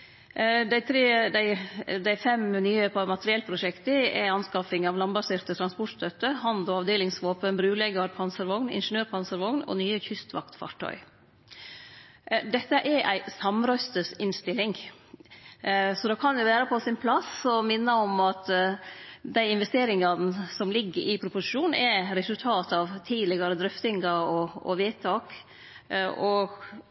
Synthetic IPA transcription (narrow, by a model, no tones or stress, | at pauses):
d̪æɪt̪ʰɾeːd̪æɪd̪æɪfɛmnyːəpɑmɑt̪əɾɪɛlpʰɾʊʂɛkt̪əɛ̰ɑnskɑfɪŋɑʋlɑnbɑseːɾt̪ət̪ʰɾɑnspɔʈst̪ʰœt̪ːəhɑnd̪ɔɑʋd̪eːlɪŋsʋoːpənbɾʉːlɛɡɑɾpʰɑnsəɾʋɔŋnɪ̰nʂənøːɾpʰɑnsəɾʋɔŋnɔ̰nyːəçʏst̪ʋɑ̰k̚t̪fɑ̰ːʈʰːœ̰ʏ | d̪ɛt̪ːəʔæɾʔæɪsɑmɾœst̪əsɪnst̪ɪlːɪŋ | sɔd̪ɑːkʰɑnd̪jʊʋæːɾəpʰɔsɪnpʰlɑsɔmɪnːəɔmɑt̪ | d̪æɪɪnʋɛst̪eːɾɪŋɑnəsɔmlɪɡːəɾʔɪpʰɾʊpʊsɪ̥ʂuːnɛɾɛsʉlt̪ʰɑːt̪ɑʋt̪ʰiːlɪɡɑɾəd̪ɾʏft̪ɪŋɡɑɔɔ̰ʋeːt̪ʰːɑːk | ɔ